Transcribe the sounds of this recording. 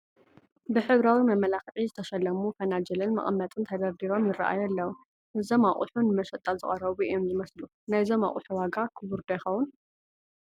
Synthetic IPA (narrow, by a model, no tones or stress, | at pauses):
bɨħɨβɾawimɐmɐlaxʕizɨt̪ʰɐʃɐlːɐmufɐnad͡ʒɐlɨnmɐ̰ʔʼmːɐt̪ʼɨnt̪ʰɐd̪ɐɾd̪iɾo̞mjɪrɐ̰ʔa̰jɛlːɐwu | ʔɨzɐmaʔʼṵħunɨmɐʃɐt̪ʼːalzɨχʼɐɾɐβuʔijomzɨmɐslu | najzoma̰ʔʼuħuwaɡakʰɨβuɾd̪ojxɐwʊn